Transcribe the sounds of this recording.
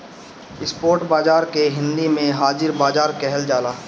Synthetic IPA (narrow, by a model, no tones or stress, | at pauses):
ɪspoːɾʈbaːzaːɾkeɦɪ̃nd̪imẽɦaːd͡ʒɪɾbaːzaːɾkɛɦɛld͡ʒaːlaː